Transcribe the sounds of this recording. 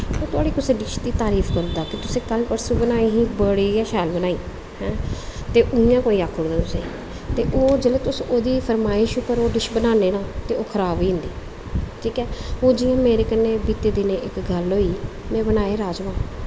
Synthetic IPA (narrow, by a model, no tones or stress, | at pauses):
oːt̪ʊaːɽiːkʊsẽːɖɪʃd̪iːt̪aːɾiːfʰk̪old̪aːkɪt̪ʊsẽːkəlpəɾsũːbənaːiːɦiːbəɽiːaʃɛːlbənaːiː | hɛ̃ːt̪eːʔʊɪjãːkoːiːaːkʰːʊɽd̪aːt̪ʊsḛ̃ː | t̪eːʔoːd͡ʒeːleːt̪ʊsoːd̪iːfʰəɾmaːɪʃʊpːəɾoːɖɪʃbənaːneːnãːt̪eːoːkʰəɾaːboiːɦʊ̃nd̪iː | ʈʰiːkɛːoːd͡ʒɪjãːmeːɾeːkəneːbiːt̪eːd̪ɪneːʔɪkɡəlɦoːiːmɛ̃ːbənaːeːɾaːd͡ʒmãː